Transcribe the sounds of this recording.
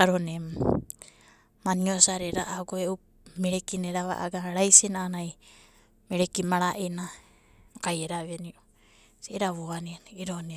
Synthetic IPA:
aɾonem | maniosaɾeɾaʔaɡoeu | meɾekineɾaβa̰ʔa̰ɡaɾajsenaːnaj | meɾekimaɾaʔena | kajeɾaβenio | seɾaβoaneiɾone

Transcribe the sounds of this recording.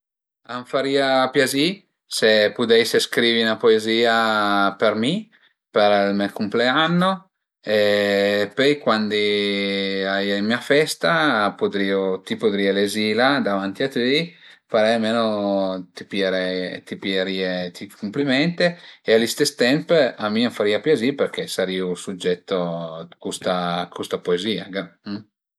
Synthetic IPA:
aɱfaɾiːapjazi | sepud̪ɛjseskɾiːviunapoeziːapermi | peɾlmɛkumpleanːo | epɔjkwand̪i | ajaimmiafɛst̪apod̪ɾiːot̪ipod̪ɾiːelezilad̪avant̪iat̪ijfaɾɛjameːnot̪ipjeɾɛjt̪ipjeɾiːet̪ikumplimɛnt̪eealːist̪est̪ɛmpamːioɱfaɾiːapjaziperk̟esaɾiːusud͡ʒːɛt̪ːokust̪akʰust̪apoeziːaɡa

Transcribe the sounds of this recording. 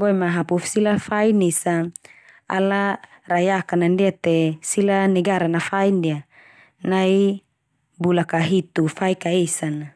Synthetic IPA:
boɛmaɦapufsilafainisa | a̰la | rajakanandiat̪esilaniɡaɾanafaindia | nai | bulakaɦit̪ufaikaesana

